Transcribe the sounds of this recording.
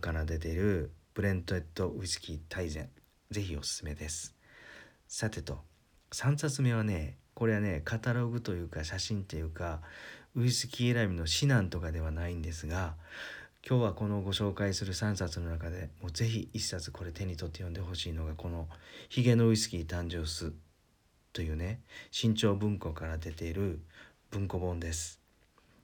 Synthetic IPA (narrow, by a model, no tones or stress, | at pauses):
kaɾad̪e̞t̪e̞iɾɯ̟pɯ̟ɾẽ̞nt̪oet̪ːo̞ɯ̟isɨ̥kʲit̪ʰaizẽ̞̰ɴ | d͡ze̞çio̞sɨ̥sɨme̞d̪e̞sɨ̥ | sat̪e̞t̪o̞̰ | sãɰ̃sat͡sɨme̞βane̞ko̞ɾe̞βane̞kat̪aɾo̞ɡɯ̟t̪o̞jɯ̟ːkaɕaɕĩnt̪e̞jɯ̟ːkaɯ̟isɨ̥kʲiːeɾabʲino̞ɕinãnt̪o̞kad̪e̞βanaĩnd̪e̞sɨɡa | kʲʰo̞ːβako̞no̞ɡo̞ɕo̞ːkaisɨɾɯ̟sãɰ̃sat͡sɨno̞nakad̪e̞mo̞ːze̞çiiɕi̥sat͡sɨ̥ko̞ɾe̞t̪e̞ɲ̟ːit̪o̞t̪ːe̞jond̪e̞ɦo̞ɕiːno̞ɡako̞no̞çiɡe̞no̞ɯ̟isɨ̥kʲiːt̪ãɲ̟d͡ʑo̞ːsɨ | t̪o̞jɯ̟ːne̞ɕĩɲ̟t͡ɕo̞ːbɯ̟̃ŋko̞kaɾad̪e̞t̪e̞iɾɯ̟ | b̥ɯ̟̃ŋko̞bõ̞nd̪e̞sɨ̥